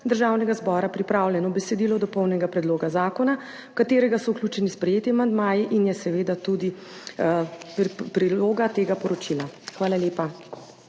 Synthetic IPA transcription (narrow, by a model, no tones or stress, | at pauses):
d̪əɾʒaːwnɛɡazbɔɾapɾipɾaːwljɛnɔbɛsɛd̪ilɔd̪ɔpɔwnɛɡapɾɛd̪loːɡazaːkɔna | kat̪eːɾɛɡasɔuklʲjʲuːt͡ʃɛnispɾɛjeːt̪jimand̪maːjiʔinjɛsɛʋeːd̪at̪ud̪i | pɾiloːɡat̪eːɡapɔɾɔt͡ʃilaxʋaːlaljeːpa